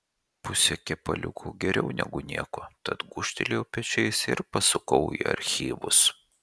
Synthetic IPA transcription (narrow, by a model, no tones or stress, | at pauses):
pʊsʲɛkʲɛpɐ̰lʲʊ̰kʰuːɡʲɛɾʲɛʊnʲɛ̰ɡʊnʲiɛkot̪ɐt̪ɡʊʃʲt̪ʲɛlʲeoːpʲɛt͡ʃʲɛɪsɪɾpɐsʊkɐʊiḭɐ̰ɾʲxʲiːʋʊ̰s